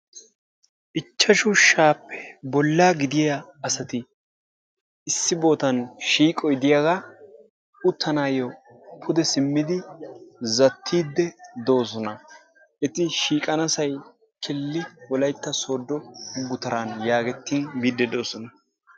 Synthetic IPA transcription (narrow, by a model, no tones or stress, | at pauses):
ʔɪt͡ʃːɐʃʊʃaːpːɛ̥bɔlːaːɡɪd̪ɪjɐɐsɐt̪ɪ | ɪsːɪbo̞ːt̪ɐnʃiːkʼɔjd̪ɪjaɡaː | ʊt̪ʰːɐnaːjɔ | pʰʊd̪ɛsɪmːɪd̪ɪ | zɐt̪ʰːiːd̪ːɛd̪o̞ːs̬ɔnɐ | ʔɛt̪ɪʃiːkʼɐnɐsɐj | kʰɪlːɪwɔlɐjt̪ːɐso̞ːd̪ːɔɡʊt̪ɐɾanjaːɡɛt̪ːiːnbiːd̪ːɛd̪o̞ːsɔnɐ